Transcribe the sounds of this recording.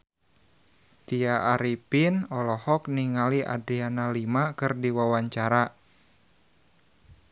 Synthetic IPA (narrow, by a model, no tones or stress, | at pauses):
t̪iaʔːɾipinɔlɔhɔkniŋaliʔa̰dɾianalimakɨrdiwawaɲt͡ʃaɾa